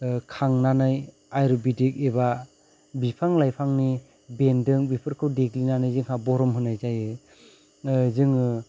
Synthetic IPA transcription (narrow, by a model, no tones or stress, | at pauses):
kʰaŋnanaj | ajɾɔbidik̚eba | bipʰaŋlajpʰaŋni | bendɯŋbipʰɯɾkʰɯwdeɡlinanɯjzɯŋhabɔɾɔmɦɯnajzajɯ | zɯŋɯ